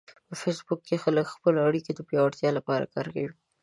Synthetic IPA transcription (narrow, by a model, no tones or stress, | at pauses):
pəfesbʊkːexaləkxpəloaɽikod̪əpjɑwaɽt̪jɑlapɑɾa̰kɑ̰ɾkawi